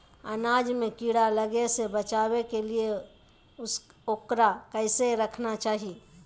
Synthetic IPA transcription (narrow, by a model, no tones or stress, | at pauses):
anad͡ʒmẽkiɽaləɡesebət͡ʃawekelie | ʊsokɾakəɪseɾəkʰnat͡ʃaːɦi